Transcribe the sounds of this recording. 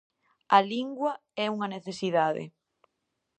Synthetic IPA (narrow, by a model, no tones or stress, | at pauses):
ɐliŋɡwɐ | ɛuŋɐneθesiðaðɪ̰